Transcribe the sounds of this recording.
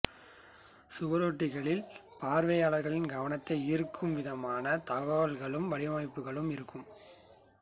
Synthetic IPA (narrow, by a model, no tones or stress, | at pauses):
sʊʋɐɾoːʈːɪɣɐɭɪlpaːɾʋɐjaːɭɐɾɣɐɭɪnɡɐʋɐnɐt̪ːɐɪiɾkʰːɯmʋɪðɐmaːnɐt̪ɐɣɐʋɐlɣɐɭɯmʋɐɽɪɐmɐɪpːɯɣɐɭɯmɪɾɯkːɯm